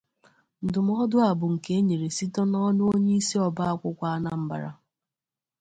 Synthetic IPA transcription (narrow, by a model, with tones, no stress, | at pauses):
n̩˨dʊ˨m̩˦ɔ˦dʊ˦a˨bʊ˨ŋ̩˨ke˦ɲe˨ɾe˨si˦tɔ˦nɔ˦nʊ˦o˦ɲe˦i˦si˦ɔ˨ba˦a˦kʷʊ˦kʷa˦na˦m̩˦ba̰˨ɾa̰˨